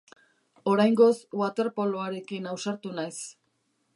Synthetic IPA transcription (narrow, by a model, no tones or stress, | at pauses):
o̞ɾajŋɡo̞sɡwat̪e̞ɾpo̞loaɾe̞kinawsaɾt̪unajs